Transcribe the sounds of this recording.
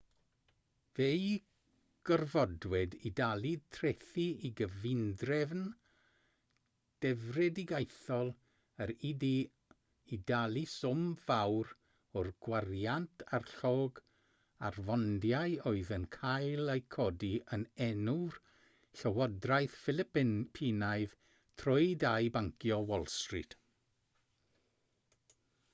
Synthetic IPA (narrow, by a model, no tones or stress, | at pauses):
vej | ɡ̥ərvɔdwɛdidalˠitʰrɛθiiɡəvɪndrɛvn | d̥ɛvrɛdiɡajθɔlˠ | əɾidi | idalˠisʊmv̥awɾ | ɔrɡ̥warjantʰarɬoːɡ | a̰rvɔndjajoɨðənkʰajlˠejkʰɔdiənɛnur | ɬəwɔdrajθfɪlˠɪppʰinajð | tʰrɔjdajbaŋkʰjɔwɔlˠstrɪ̰d̥